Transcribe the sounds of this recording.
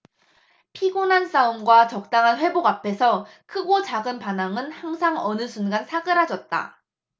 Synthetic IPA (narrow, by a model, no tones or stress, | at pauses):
pʰiɡonans͈aumɡwat͡ɕʌk̚t͈aŋɦanɸwe̞boɡapʰe̞sʰʌ | kʰɯɡot͡ɕaɡɯnpanaŋɯnhaŋsʰaŋʌnɯsʰunɡansʰaɡɯɾɦad͡ʑʌt̚t͈a̰